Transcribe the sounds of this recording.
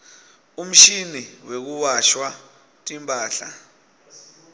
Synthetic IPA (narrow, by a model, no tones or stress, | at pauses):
um̩ʃiniwek̬uwaʃwa | tʼimpʼaːɬa̰